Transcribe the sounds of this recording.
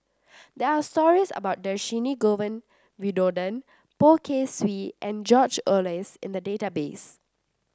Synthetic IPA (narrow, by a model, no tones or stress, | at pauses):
d̪ɛastɔɹisə̰baʊt̚dəʃiniɡovə̃n | widodə̃n | pokʰeswiʔɛ̃nd͡ʒɔt͡ʃəlesɪ̃nd̪ədetabes